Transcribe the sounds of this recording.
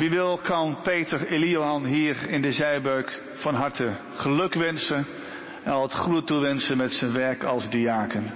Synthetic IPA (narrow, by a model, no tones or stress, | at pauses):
ʋiʋɪlˠkɑnpejtəreliowɦɑnɦiːɹɪndəzɛjbøɥk | fɑnɦɑɹtə | χəlɵkʋɛnsən | ɛnɑlˠətχrutuʋɛnsənmɛtsənʋɛɹkɑlˠzdiaːkən